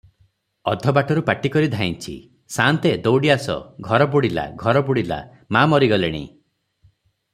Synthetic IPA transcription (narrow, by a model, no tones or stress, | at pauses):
ɔd̪ʱɔbaʈɔɾupaʈikɔɾid̪ʱaint͡ʃʰḭ | sant̪ed̪owɽiasɔ̰ɡʱɔɾɔbuɽila̰ɡʱɔɾɔbuɽila̰ | mamɔɾiɡɔleɽ̃ḭ